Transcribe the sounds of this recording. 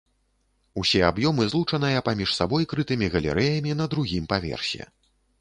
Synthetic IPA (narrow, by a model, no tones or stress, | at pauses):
usʲɛabjɔmɨzlˠut͡ʂɐnɨjɐpamʲiʂsabɔjkɾɨt̪ɨmʲiɣɐlʲɛ̰ɾʔɛjɐmʲinɐd̪ɾuɣʲimpavʲɛ̰rsʲɛ̰